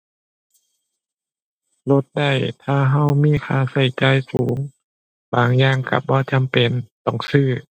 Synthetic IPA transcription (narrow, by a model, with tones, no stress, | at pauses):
lo˧˩t̪̚da˧˩jt̪ʰaː˧˩ɦa˧˩wmiː˧˥˨kʰaː˧˩sa˧˩jt͡ɕaː˧˥˨jsuː˨˦ŋ | baː˨˩ŋjaː˧˩ŋka̰˧˩bɔː˧˦t͡ɕa˨˦mpe˨nt̪ɔ˧˩ŋsɯː˧˩